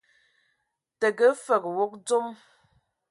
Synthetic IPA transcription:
tə˨ɡə˦fə˨kwo˦k̚d͡zo˦m

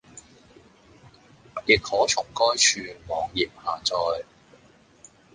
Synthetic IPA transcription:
ji˨k̚hɔː˨˥t͡sʰʊ˨˩ŋkɔː˥jt͡ʃʰyː˧mɔː˨˧ŋjiː˨p̚haː˨t͡sɔː˧j

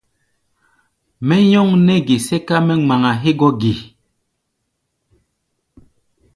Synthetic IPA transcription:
mɛ˦ɲɔ˦ŋnɛ˦ɡi˨sɛ˦ka˦mɛ˦ŋ͡ma˨ŋa˨ɦe˦ɡɔ˦ɡi˨

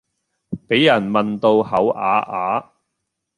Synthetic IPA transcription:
pe˨˥jːɐ˨˩nmɐ˨nt̪o˧whɐ˨˥wʔaː˨˥ʔaː˨˥

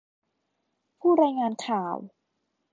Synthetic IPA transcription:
pʰuː˥˩ɾaː˧jŋaː˧nkʰaː˨˩˦w

